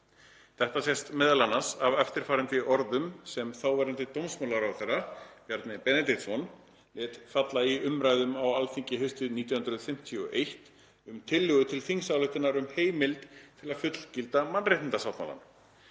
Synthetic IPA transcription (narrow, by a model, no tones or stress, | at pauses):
θɛht̪asjɛst̪mɛðalanːasavœft̪ɪɾ̥faːɾɪnt̪ɪʔɔɾðʏmsɛmθawvɛɾʏnt̪ɪt̪owmsmawlaɾawθɛrapjɛɾt̪nɪpɛnɛt̪ɪt̪sɔn | lɛːt̪fat̪laiʏmɾaːjðʏmawalfiɲcɪɦœɥst̪ʏðniːjhʏnɾʏðfɪm̥t̪ʰiɔʔejht̪ | ʏmt̪ʰɪlːʏɣʏt̪ʰɪlfiŋsalʏht̪ɪnaɾʏmheːjmɪlt̪t̪ʰːɪlaðfʏt̪l̥cɪlt̪amanrejht̪ɪnt̪asawt̪ma̰la̰n